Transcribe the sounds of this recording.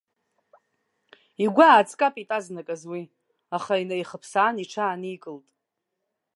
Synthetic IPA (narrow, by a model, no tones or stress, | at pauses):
iɡʷaːt͡sʼkʼapʼitʼaznakʼazwi | aχainajχəpʰsaːniʈ͡ʂʰaːnikʼɨltʼ